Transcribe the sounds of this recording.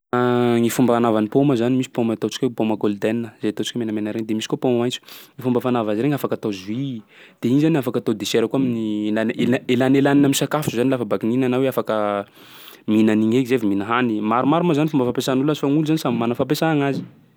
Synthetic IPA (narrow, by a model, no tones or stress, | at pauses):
ŋifumbəanavanipoməzanimisi̥pomət̪ot͡ʃi̥kʲopoməɡold̪ɛnnəz̥et̪ot͡ʃi̥kʲmenamenəɾend̪emisi̥kopomamajnt͡su̥ŋifumbəfanavaziɾeŋafakat̪ozuid̪̥einizaniafakat̪od̪eseɾəkuaminilanelaelanelaninamisakafu̥uzanilafabakininanaweafakə | minaniŋekizeviminəɦanimaɾumaɾumazanifumbəfapesanulazifaŋuluzanisamimanəfap̬esaaŋazi̥